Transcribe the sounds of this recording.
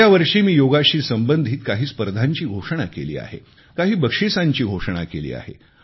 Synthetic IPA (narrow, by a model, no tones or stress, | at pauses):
jaʋəɾʂiːmiːjoɡaɕiːsəmbənd̪ʱiːt̪kaɦiːspəɾd̪ʱaɲt͡ɕiːɡʱoʂəɳ̃a̰kelḭːa̰ɦḛ | kaɦiːbəkʂisaɲt͡ɕiːɡʱoʂəɳ̃a̰kelḭːa̰ɦḛ